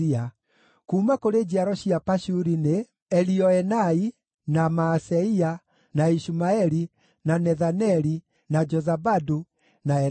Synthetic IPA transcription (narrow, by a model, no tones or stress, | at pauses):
ia | kuːmakoɾed͡ʑiaɾɔɕiapaʃuɾine | ɛliɔɛnai | namaːsɛia | naiʃumaɛɾi | nanɛðanɛɾi | nad͡ʒɔzabadu | naɛ